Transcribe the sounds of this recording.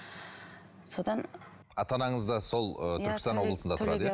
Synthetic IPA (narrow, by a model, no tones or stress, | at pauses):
so̞d̪ɑn | ɑt̪ɑnɑɴəzd̪ɑso̞lˠət̪ʰʏɾkʲɪst̪ɑnwo̞blˠəsənd̪ɑt̪ʰɾɑ̰əj